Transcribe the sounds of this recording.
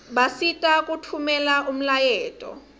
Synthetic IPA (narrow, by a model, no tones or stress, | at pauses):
ɓasitʼakʼutʰumɛlaum̩lajɛːtʼɔ̰